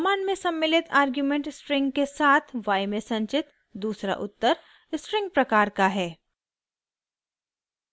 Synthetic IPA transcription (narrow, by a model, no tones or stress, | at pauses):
maːnmẽsɐ̃mːɪlɪt̪ʰaːɾɡjumẽɳʈsʈɾɪ̃ŋɡkesaːt̪ʰʋaːjmẽsɐ̃ɲt͡ʃɪt̪ | d̪uːsɾa̰ʔʊt̪ːəɾ | sʈɾɪ̃ŋɡ̚pɾɐkaːɾkaɦɛː